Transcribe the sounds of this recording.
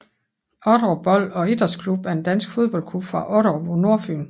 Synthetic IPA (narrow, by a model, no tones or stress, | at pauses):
ɒɾ̥ɒb̥ɒ̽l̰ɒ̽e̝d̥ɐskʰlub̥æɐe̝nd̥ænsɡ̥fo̝ð̞ˠb̥ɒ̽l̰kʰlub̥fʁɑ̈ʔɒ̽ɾɒbɒno̝ɐ̰fy̰ːn